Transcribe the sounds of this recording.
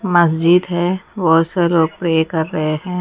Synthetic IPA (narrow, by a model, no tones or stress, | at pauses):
mɐs̬d͡ʒɪd̪ɦɛʋoseloːɡ̚pɾeːkɐɾːɐɦeɦɛ̃ː